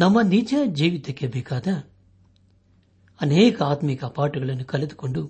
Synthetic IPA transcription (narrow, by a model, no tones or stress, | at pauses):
nɐmːɐnid͡ʒɐd͡ʒiːʋit̪ɐkːebɛːkaːd̪ɐ | ɐnɛːkɐaːt̪mikɐpaːʈuɡɐɭɐnːukɐled̪u̥ko̞ɳɖu